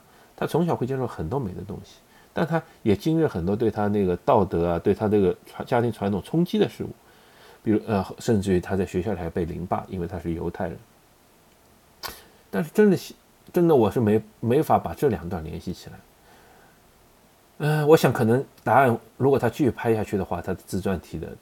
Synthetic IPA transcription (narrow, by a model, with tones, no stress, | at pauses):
t̪ʰa˥t͡sʰʊ˧˥ŋɕjɑ˨˩xwe˥˧t͡ɕɛ˥ʂo˥˩xə˨˩nt̪wɔ˥me˨˩ɪd̪ə̰˦t̪ʊ̰˥ŋɕi̥˨ | t̪a˥˩nt̪ʰa˥ | jɛ˨˩t͡ɕi˥ŋɻ̩˥˩xə˨˩nt̪wɔ˥t̪we˥˩ɪt̪ʰa˥na˥˩ɡə˩t̪ɑ˥˩ʊt̪ɤ˧˥ɐ˧t̪we˥˩ɪt̪ʰa˥dɡə˩ʈ͡ʂʰwa˧˥t͡ɕja˥t̪ʰi˧˥ŋʈ͡ʂʰwa˧˥nt̪ʰʊ˨˩ŋt͡sʰʊ˥ŋt͡ɕi˥d̪ə˨ʂɻ̩˥˧ṵ˥˩ | pi˨˩ɻu˥ə˧xʂə˥˧nʈ͡ʂɻ̩˥˩t̪ʰa˥t͡sa˥˩ɪɕɥɛ˧ɕjli˩˥pe˥˩ɪlḭ˧˥ŋpa̰˥˩ʔḭ˥nwe˥˩ɪt̪ʰa˥ʂɻ̩˥˩jo̰˧˥ʊt̪ʰa˥˩ɪɻə̰˧˥n | t̪a˥˧nʂɻ̩˥˧ʈ͡ʂə˥nd̪ə˨ɕ | ʈ͡ʂə˥nd̪ə˨wɔ˨˩ʂɻ̩˥˩me˧˥ɪme˧˥ɪ˧fa˧˥pa˨˩ʈ͡ʂɤ˥˩ljɑ˨˩ŋt̪wa˥˩nljɛ˧˥nɕi˥˩t͡ɕʰi̥˨˩la˧˥ɪ | ə˧wɔ˧˥ɕjɑ˧˥ŋkʰɤ˨˩nɤ˧˥ŋt̪a˧˥a˥˩n | ɻu˧˥kwɔ˨˩t̪ʰa˥t͡ɕʰy˥˩y˥˩pʰa˥ɪi˧ɕja˥˧t͡ɕʰy˥˩d̪ə˩xwa˥˩t̪ʰa˥d̪ə˧t͡sɹ̩˥t͡swa˥˩nt̪ʰi˧˥d̪ə̰˧